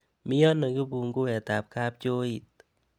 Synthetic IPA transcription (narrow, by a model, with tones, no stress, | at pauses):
mɪ˦jɔ˦na˨ɡi˦bu˨ŋɡo˦ɛ˨t̪a˨p̚ka˦p̚t͡ʃo˦i˨t̪̚